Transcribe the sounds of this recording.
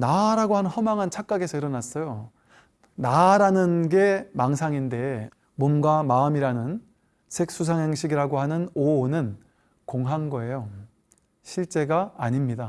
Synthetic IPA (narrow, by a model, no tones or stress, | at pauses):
naɾaɡoɦanɯnhʌmaŋɦant͡ɕʰak͈̚aɡe̞sʰʌiɾʌnas͈ʌjo | naɾanɯnɡe̞maŋsʰaŋinde̞ | momɡwamaɯmiɾanɯn | sʰe̞k̚s͈usʰaŋɦeŋɕʰiɡiɾaɡoɦanɯnoːnɯn | koŋɦaŋɡʌe̞jo | ɕʰiɭt͡ɕ͈e̞ɡaːɲimɲida